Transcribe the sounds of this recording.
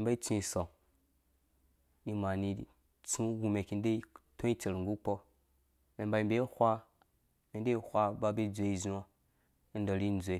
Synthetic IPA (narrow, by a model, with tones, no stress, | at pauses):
e˨ba˦i˦t͡sũ˦i˨so˨ŋ | i˦ma˨ni˧˨ | t͡sũ˦ɡu˧me˨ki˧n˦de˦i˦tõ˦i˦t͡ʃe˨ɾŋɡu˦k͡po˦ | me˨mba˧i˨mbe˦i˦hʷa˦ | me˨n˦de˦i˦hʷa˦ba˦be˦d͡zʷe˨i˨zu˦a˦ | n˦da˨ɾi˦n˦d͡zʷe˨˦